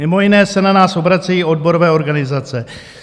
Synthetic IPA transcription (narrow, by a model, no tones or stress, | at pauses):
ɪmoinɛːsɛnanaːsobɾat͡sajiodboɾovɛːoɾɡanɪzat͡sɛ